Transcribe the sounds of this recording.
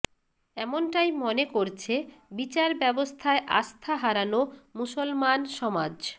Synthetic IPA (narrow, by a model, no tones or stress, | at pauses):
ɛmonʈajmonekoɾt͡ɕʰebit͡ɕaɾbɛbost̪ʰaeʔa̰st̪ʰaɦaɾanomusolmanʃɔmad͡ʑ